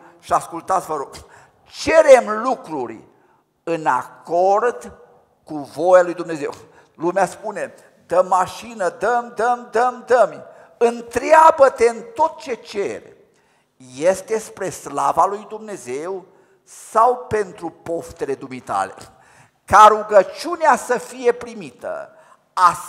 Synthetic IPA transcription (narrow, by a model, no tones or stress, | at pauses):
ʃiaskult̪at̪sʲvəɾok | t͡ʃe̞ɾemlukɾurʲ | ɨna̰ko̞rd̪ | kuvo̞jalujd̪umne̞ze̞̰w | lumeaspune̞ | d̪əmːaʃinəd̪əmd̪əmd̪əmd̪əm | ɨnt̪ɾeabət̪e̞ɨnt̪o̞t̪̚t͡ʃe̞t͡ʃe̞̰rʲ | jest̪e̞spɾe̞sla̰valujd̪umne̞ze̞w | sawpe̞nt̪ɾupo̞ft̪e̞le̞d̪umit̪a̰lḛ | kaɾuɡət͡ʃuneasəfije̞pɾimit̪ə̰ | a